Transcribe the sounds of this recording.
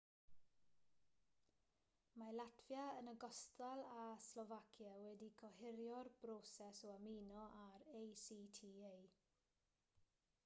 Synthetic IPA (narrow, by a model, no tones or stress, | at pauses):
malatʰvjaənəɡɔstalˠaslɔvakʰjawɛdikʰɔhɪɾjɔrb̥ɾoːsɛsɔamiːnɔʔaɾejsiːtʰiːej